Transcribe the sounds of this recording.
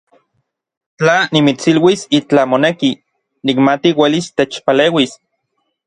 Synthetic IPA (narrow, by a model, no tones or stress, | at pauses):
t͡ɬanimit͡silwisit͡ɬamoneki | nikmat̪iwelist̪et͡ʃpaleːwis